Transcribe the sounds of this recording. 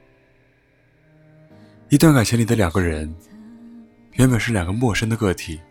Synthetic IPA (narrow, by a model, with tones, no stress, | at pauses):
i˧˥t̪wa˥˩nka˨˩t͡ɕʰɛ˧˥nli˨˩d̪ə˦ljɑ˨˩ŋɡə˦ɻə˧˥n | ɥnbə˨˩nʂɻ̩˥˩jɑ˨˩ŋɡə˦mwɔ˥˩ʂə˥ŋd̪ə˨kɤ˥˩t̪ʰi˨˩˦